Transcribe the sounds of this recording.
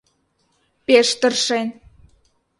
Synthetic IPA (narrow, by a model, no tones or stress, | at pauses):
peʃt̪ə̆rʃen